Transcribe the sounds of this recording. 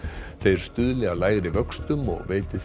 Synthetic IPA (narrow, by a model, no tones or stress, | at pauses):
θejɾ̥st̪ʏðlɛɣalaːjɣɾɪvœkst̪ʏmɔ̰ɣveːjt̪ɪ